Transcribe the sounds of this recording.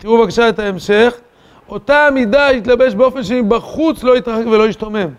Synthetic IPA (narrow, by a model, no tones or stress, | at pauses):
t̪iʁuvakaʃaet̪aemʃe̞χ | o̞taːmidait̪labe̞ʃbeo̞fenʃemibaχut͡slo̞jit̪ʁaχekve̞lo̞iʃtame̞m